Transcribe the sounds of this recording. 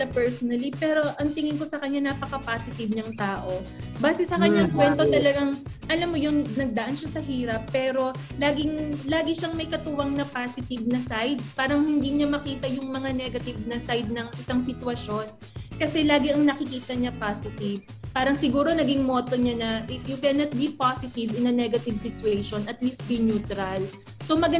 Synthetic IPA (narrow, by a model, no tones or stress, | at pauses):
sɐpɛɹsonɐlipɛːɾo̞ʔɐŋt̪ɪŋɪŋko̞sɐkɐɲːanɐpɐkɐpaːsɪt̪ɪbɲɐŋt̪aːʔo̞baːsɛsɐkɐɲːaŋkwɛnt̪ot̪ɐlɐɡaŋʔɐlamːojʊŋnɐɡ̚d̪ɐʔanʃasɐɦiːɾɐpːɛːɾo̞ | laːɡɪŋlaːɡɪʃɐŋmɐjkɐt̪uwɐŋnɐpaːsɪt̪ɪbnɐsajd̪̚paːɾɐŋhɪnd̪iːɲamɐkiːt̪ɐjʊŋmɐŋanɛɡɐt̪ɪvnɐsajd̪̚nɐŋʔɪsaŋsɪt̪wɐʃo̞n | kɐsɛlaːɡɪɐŋnɐkɪkiːt̪ɐɲapaːsɪt̪ɪv | paːɾɐŋsɪɡuːɾo̞nɐɡɪŋmo̞t̪oɲanɐʔɪjʊkɛnɐt̪̚bipasɪt̪ɪvɪnɐnɛɡɐt̪ɪvsɪt̪ʊɛjʃonɐt̪list̪̚binjuːt̪ɾɐl | so̞mɐɡɐ